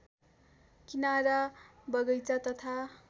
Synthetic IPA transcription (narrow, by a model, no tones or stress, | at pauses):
kinaɾʌbʌɡʌjt͡sʌt̪ʌt̪ʰa